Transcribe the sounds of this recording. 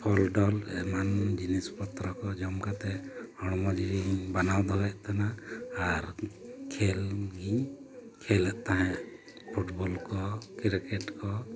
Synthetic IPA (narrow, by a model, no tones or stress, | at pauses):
pʰɔlɖɔlɛmand͡ʒinispɔt̪ɾɔkɔd͡ʒɔmkat̪ɛhɔɽ̃mɔd͡ʒiɾiɲbanawd̪ʱɔwɛʔt̪ʰanaaɾkʰɛlɡiɲkʰɛlɛʔt̪aɦɛ̃ʔ | pʰuʈbɔlkɔkɛɾkɛʈkɔ